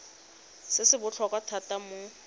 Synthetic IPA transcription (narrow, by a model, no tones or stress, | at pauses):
sɪsɪbʊt͡ɬʰɔkwatʰatamʊ